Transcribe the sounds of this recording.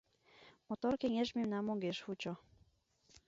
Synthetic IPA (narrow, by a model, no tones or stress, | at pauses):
mɔt̪ɔɾkʲɛɲɛʐmʲɛmnamɔɡʲɛʂxut͡ɕɔ